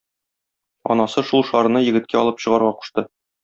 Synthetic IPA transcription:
ɒ̰nɑsɤʃulˠʃɒɾ̆nɤjɘ̆ɡɘ̆t̪̚kæɒlˠɤpɕɤ̆ʁɑɾʁɑqu̥ʃt̪ɤ

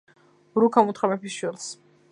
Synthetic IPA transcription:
ɾukʰamut̪ʰχamɛpisʃwilˠs

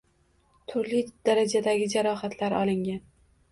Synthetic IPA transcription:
t̪ʰʊɾlɪd̪̥aɾad͡ʒad̪aɡʲɪd͡ʒaɾɒɦat̪ʰlaɾɒlˠɪŋʲan

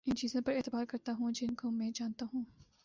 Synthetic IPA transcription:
ɪnt͡ʃiːzõpɐɾeːt̪ɪbaːɾkɐɾt̪aɦũːd͡ʒɪnkomɛ̃ːd͡ʒaːnt̪aɦũː

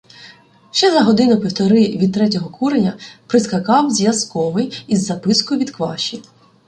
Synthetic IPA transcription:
ʃt͡ʃɛzɐɦɔd̪ɪnʊpʲiwt̪ɔɾɪʋʲid̪̚t̪ɾɛt̬ʲɔɦɔkʰuɾenʲɐpɾɪskɐkɑwzʲjɐskɔʋɪjizːɐpɪskʊʋʲid̪kʋɑ̰ʃʲi

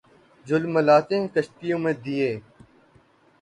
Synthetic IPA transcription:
d͡ʒʊlməlaːt̪ẽːkəʃt̪ijõːmẽːd̪ijeː

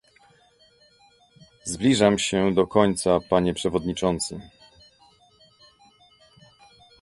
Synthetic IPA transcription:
zblʲiʐamɕɛd̪ɔkɔɲt̪sapaɲɛpʂɛvɔd̪ɲit͡ʂɔnt̪sɨ

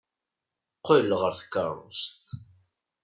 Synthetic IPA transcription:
qːəlʁəɾθkːɑ̰ɾˤṵst̪

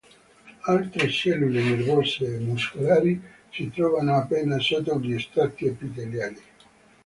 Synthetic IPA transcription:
alt̪ɾeʃɛlːulenervɔrseːmːuskolaːɾi | sit̪ɾɔːvanoapːɛːnasɔːt̪oʎiest̪ɾat̪ːiapːit̪eljaːni

